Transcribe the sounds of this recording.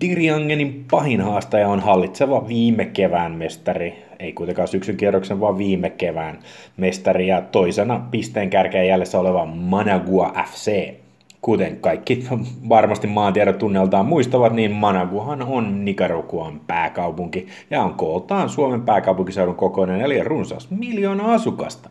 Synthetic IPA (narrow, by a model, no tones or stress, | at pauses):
d̥̪iriɑŋːenimpɑhinhɑːst̪ɑjɑonhɑlːit̪seʋɑʋiːmːekeʋæːnmest̪ɑri | eikuit̪eŋkɑːsyksyŋkieærːoksenʋɑʋʋiːmekeʋæːn | mest̪ɑrijɑt̪oisenɑpist̪eːŋkærkeːjæljesːæoleʋɑmɑnɑɡuɑʔæfseː | kut̪eŋkɑikːiʋɑrmɑst̪immɑːnt̪iæɾot̪t̪ːunːelt̪ɑːmmuist̪ɑʋɑt̪niːnmɑnɑɡuɑhɑnonnikɑrukuɑmpæːkɑupuŋki | jɑoŋkolt̪ɑːnsuomempæːkɑupuŋkisewɾuŋkokonenelirunsɑ̰smiljoːnɑɑsukɑ̰st̪ɑ̥